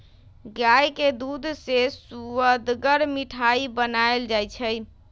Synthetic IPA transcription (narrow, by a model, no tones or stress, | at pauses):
ɡajked̪ud̪ʱsesuəd̪ɡəɾmiʈʰaibənaeld͡ʒajt͡ʃʰəj